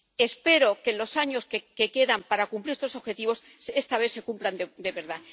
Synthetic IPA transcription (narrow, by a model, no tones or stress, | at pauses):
e̞spe̞ɾo̞ke̞lo̞saɲo̞skeke̞ke̞ðampaɾakumpliɾest̪osoβxe̞t̪iβo̞s | e̞st̪aβ̞e̞θse̞kumpland̪ed̪e̞βe̞ɾða